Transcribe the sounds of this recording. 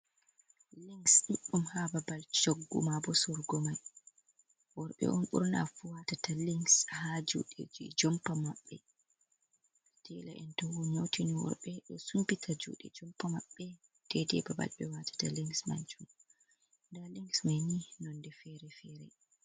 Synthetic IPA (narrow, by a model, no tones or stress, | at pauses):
liŋɡsɗiɗːumhababalt͡ʃoɡːṵmabɔsɔɾɡɔmaj | wɔɾɓɛ̰ʔɔnʔṵɾna̰fuwatataliŋɡshad͡ʒṵɗed͡ʒid͡ʒɔmpamaɓːɛ | d̥ʰɛla̰ʔɛntɔwuɲowtʰiniwɔ̰ɾɓɛɗɔsumpitʰad͡ʒṵːɗɛ̰d͡ʒɔmpamaɓːɛ | tɛdɛbaba̰lɓɛwatʰḁtaliŋɡsma̰nt͡ʃum | ndaliŋɡsmajninɔndɛfɛɾɛfɛɾɛ̰